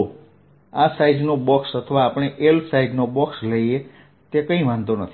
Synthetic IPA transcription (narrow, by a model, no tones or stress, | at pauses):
o | asaid͡ʒnobɔksət̪ʰəʋaːpɽ̃eʔelsaiɖnobɔksləie | t̪ekə̃ĩʋãnd̪onət̪ʰi